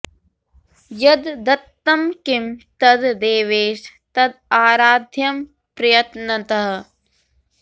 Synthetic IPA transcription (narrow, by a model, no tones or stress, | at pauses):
jɐd̪d̪ɐt̪ːɐmkimt̪ɐd̪d̪eːʋeːʃ | t̪ɐd̪̚aːɾaːd̪ʱjɐm | pɾɐjɐt̪nɐt̪ɐɦɐ̆